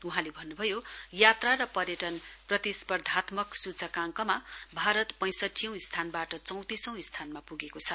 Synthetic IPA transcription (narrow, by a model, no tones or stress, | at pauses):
uɦãlebʱʌnːubʱʌjojat̪rarʌpʌrjʌʈʌnprʌt̪ispʌrd̪ʱat̪mʌksut͡sʰʌkãŋkʌmabʱaɾʌt̪pʌ̃j̃sʌʈʰːijʌ̃w̃ist̪ʰanbaʈʌt͡sʌ̃w̃t̪isʌ̃w̃ist̪ʰanmapuɡekot͡sʰʌ